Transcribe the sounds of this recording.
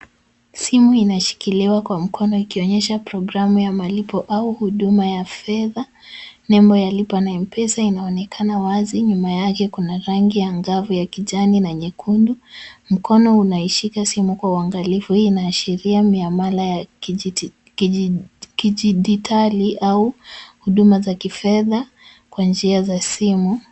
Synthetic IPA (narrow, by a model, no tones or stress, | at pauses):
simuinaʃi̥kiliwakwam̩kʰɔnɔikiɔɲɛʃapɾɔɡɾamujamalipɔʔauhuɗumajafɛða | nɛmbɔjalipanaim̩pɛsainaɔnɛkʰanawaziɲumajakɛkunaɾaŋɡijaŋɡavujakiʄaninaɲɛkʰundum̩kɔnɔunaiʃikasimukwauaŋɡalifuhiːnaːʃiɾiamiamalaja | kiʄiɗitʰaliʔauhuɗumazakifɛða | kwand͡ʒiazasimu